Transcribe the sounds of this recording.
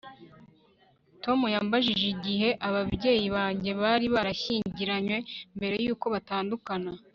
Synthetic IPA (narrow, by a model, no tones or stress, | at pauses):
to̞mujaːmbaʒiʒiɟiɦe̞ʔaβabɟe̞ːjiβaːɲɟe̞βaːɾiβaɾaɕiːɲɟiɾaɲwe̞mbe̞ɾe̞juːko̞βataːndukana